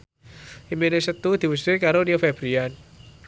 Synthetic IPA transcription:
ʔimenesət̪ud̪̥i̤wusikaɾoniofɛb̥ɾian

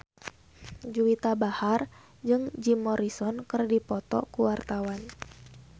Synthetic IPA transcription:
d͡ʒuwit̪abahar | d͡ʒɨŋd͡ʒimɔɾisɔnkɨrdipɔt̪ɔ̰kuwart̪awan

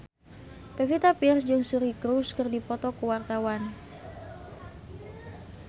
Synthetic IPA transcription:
pefit̪apirsd͡ʒɨŋsuɾikɾuskərdipɔt̪ɔkuwart̪awan

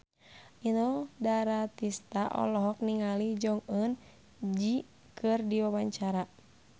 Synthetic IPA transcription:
ʔinɔdaɾat̪ist̪aʔɔ̰lɔɦɔk̚niŋalid͡ʒɔŋən | d͡ʒi | kʰɨrdiwawaɲt͡ʃaɾa

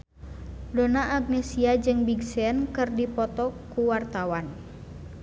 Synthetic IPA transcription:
donaʔːɡ̚nesiad͡ʒɨŋbiɡsɛnkɨrdipɔt̪ɔkuwart̪awan

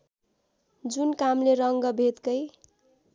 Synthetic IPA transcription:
d͡zunkamleɾʌŋɡʌbʱet̪kʌj

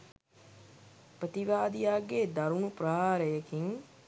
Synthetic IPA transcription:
pɾət̪iʋaːd̪ijaːɡed̪ɐɾunuprɐɦaːɾəjekiŋ

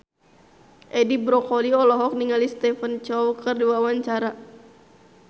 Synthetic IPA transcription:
ʔɛdibɾɔkɔliɔlɔɦɔk̚niŋalist̪ɛfənt͡ʃɔwkərduawaɲt͡ʃaɾa

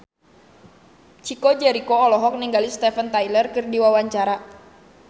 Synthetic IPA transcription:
t͡ʃikɔd͡ʒɛɾikɔːlɔɦɔk̚niŋɡalist̪ɛfənt̪ajlərkɨrdiwawaɲt͡ʃaɾa

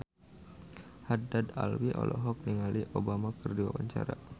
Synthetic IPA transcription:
hadad̪a̰lwiʔɔlʔɔɦɔk̚niŋalʔiʔobamakɨrdiwa̰waɲt͡ʃaɾa

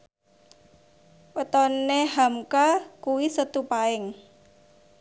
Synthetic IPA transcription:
wət̪ɔnehamkakuwisət̪upaɪŋ

